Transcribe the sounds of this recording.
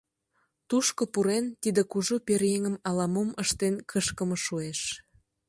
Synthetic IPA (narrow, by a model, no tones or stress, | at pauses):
t̪uʃkopuɾent̪id̪ekuʒuperjeŋəmɑlɑmoməʃt̪enkʰəʃkəmŏʃueʃ